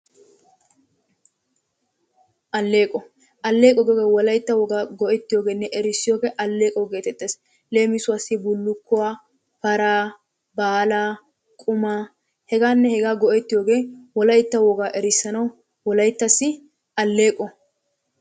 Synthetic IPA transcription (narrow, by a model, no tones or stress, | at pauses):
ʔɐlːeːkʼɔ | ʔɐlːe̞ːkʼɔɡɔɡeːwɔlɐjt̪ːɐwɔɡaːɡɔʔɛt̪ːɪjo̞ːɡe̞ːnːɛʔɛɾɪsːɪjo̞ːɡeːʔɐlːe̞ːkʼɔɡe̞ːt̪ɛt̪ʼːeːs | le̞ːmɪsʊwasːɪbʊlːʊkːʊwaː | fɐɾaː | baːla | kʼʊmaː | hɛɡaːnːɛhɛɡaːɡɔʔɛt̪ːɪjoːɡeːwɔlɐjt̪ːɐwɔɡaːʔɛɾɪsːɐnɐw | wɔlɐjɪt̪ːɐsːɪ | ʔɐlːe̞ːkʼːɔ